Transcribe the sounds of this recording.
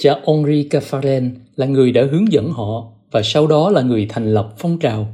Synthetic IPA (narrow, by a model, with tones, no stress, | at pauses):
t͡ɕaː˨˩ʔɔ˧nri˧kaː˧faː˧lɛ˧nlaː˨˩ŋɨ˨˩əjɗa̰ː˧˥ɦɨ˨˦əŋzə̰˧˥˨nɦɔ̰˧˨ | vaː˨˩sa˧wɗɔ˨˦laː˨˩ŋɨ˨˩əjt̪ʰɛ˨˩jŋ̟lə˨˩p̚fɔ˧wŋ͡mt͡ɕaː˨˩w